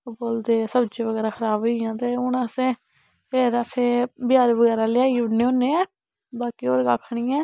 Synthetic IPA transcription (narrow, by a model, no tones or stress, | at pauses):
ʊboːld̪eːsəbd͡ʒeːʋəɡɛːɾaːkʰəɾaːbeãːt̪eːʊɳəsẽː | peːɾəsẽːbɪjaːɾʋəɡɛːɾaːlɪaːiːʊɽneːõːneːɛː | baːkiːoːɾkaːkʰːɳiːɛ̃ː